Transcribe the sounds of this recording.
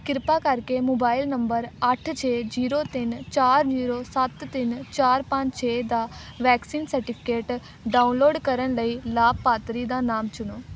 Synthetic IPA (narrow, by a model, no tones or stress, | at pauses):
kɪɾpaːkəɾkeːmoːbaːɪlnəmbəɾəʈʰt͡ʃʰeːd͡ʒiːɾoːt̪ɪnt͡ʃaːɾd͡ʒiːɾoːsət̪ːɪnt͡ʃaːɾpə̃ɲd͡ʒt͡ʃʰeːd̪aːʋɛːksiːnsəɾʈɪpʰɪ̥keːʈ | ɖaːunloːɖkəɾənləiːlaːbpaːt̪ɾiːd̪aːnaːmt͡ʃʊnoː